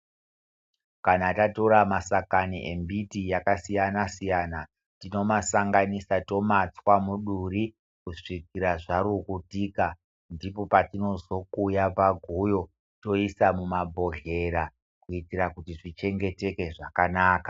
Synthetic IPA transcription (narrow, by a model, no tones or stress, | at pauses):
kanatato̞ɾamasakaniʔe̞̰mbitijakasijanasijaːna | tino̞masaŋɡanisato̞mat͡swamuɗuɾi | kuʂik̚iɾaʐaɾukutiːka | ndipo̞patino̞zo̞kujapaɡʱujo̞ | to̞isamumabʱo̞ɮe̞ɾa | kuitiɾakutiʐit͡ʃe̞ŋɡe̞te̞ke̞ʐakanaːkḁ